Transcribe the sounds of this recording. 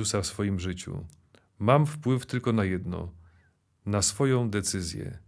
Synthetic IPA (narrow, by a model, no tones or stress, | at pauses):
usafsfɔjimʐɘt͡ɕṵ | mamfpwɘft̪ɘlkɔnajɛd̪nɔ̰ | nasfɔjɔ̃w̃d̪ɛt̪sɘzʲjɛ̰